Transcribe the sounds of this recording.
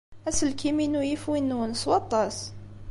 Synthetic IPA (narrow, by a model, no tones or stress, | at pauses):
æsəlkʰiminujəfwinːunəswɑt̪ˤːɑs